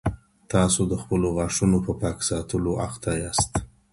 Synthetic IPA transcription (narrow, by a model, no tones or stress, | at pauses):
t̪ɑsod̪əxpəloɣɑʂunopəpɑksɑt̪əloʔaxt̪ajɑst̪